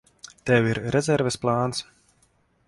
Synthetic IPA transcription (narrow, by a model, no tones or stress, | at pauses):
t̪ɛwiɾɾɛzʲɛɾvɛsplˠaːns